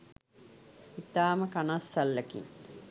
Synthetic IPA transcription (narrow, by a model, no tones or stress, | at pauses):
it̪aːməkanasːɐlːəkḭŋ